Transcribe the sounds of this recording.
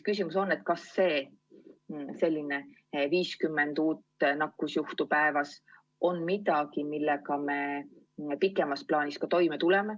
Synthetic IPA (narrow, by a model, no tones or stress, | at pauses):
kysʲimuso̞nːe̞t̪̚kɑsːe̞ː | se̞lʲːine̞ | viːskymːe̞nd̪̥uːt̪nɑkːˑusjuht̪upæevɑs | o̞nmid̪ɑkimilːekɑme̞ | pikːˑe̞mɑsplɑːniskɑt̪o̞jmet̪ule̞me